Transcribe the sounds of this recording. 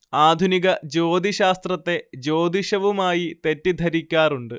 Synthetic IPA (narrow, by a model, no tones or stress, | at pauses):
aːd̪ʱuniɣɐd͡ʑo̞ːd̪ʱiɕaːst̪rɐt̪ːe̞d͡ʑo̞ːd̪iɕɐʋumaːjit̪e̞tːid̪ʱɐɾikʲːaːruɳɖɨ